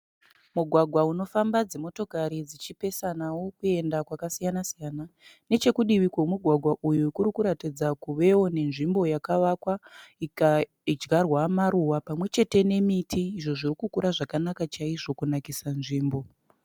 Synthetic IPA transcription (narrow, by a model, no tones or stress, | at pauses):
muɡʱwaɡʱwauno̞fambad͡zemo̞to̞kaɾid͡zit͡ʃipe̞sanawo̞kue̞ndakwakasijanasijanane̞t͡ʃe̞kuɗiʋikwomuɡʱwaɡʱwaʔujukuɾikuɾatid͡zakuʋe̞wo̞ne̞nʐimbo̞jakaʋakwaik | id͡ʒɡarwamaɾuwapamwe̞t͡ʃe̞te̞ne̞mitʰiːʐo̞ʐirikukuɾaʐakanakat͡ʃaiʐo̞kunakisanʐiːmbo̞